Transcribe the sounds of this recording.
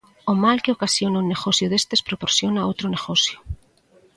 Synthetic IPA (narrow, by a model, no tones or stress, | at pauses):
omalkeokasjonauneɣosjʊðest̪espɾopoɾsjonaowt̪ɾoneɣosjʊ̥